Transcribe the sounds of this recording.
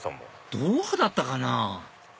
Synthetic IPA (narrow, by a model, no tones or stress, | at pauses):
a̰mo̰ | d̪̥oːhɯd̪at̪ːakana